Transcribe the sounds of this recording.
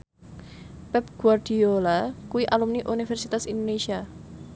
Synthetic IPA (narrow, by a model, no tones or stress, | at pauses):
pɛp̚ɡ̥uard̥iolakuiʔalumniʔunifɛrsit̪asind̪onesia